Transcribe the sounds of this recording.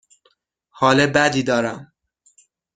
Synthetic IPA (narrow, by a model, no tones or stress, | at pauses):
hɒːlebæd̪iːd̪ɒːɾæm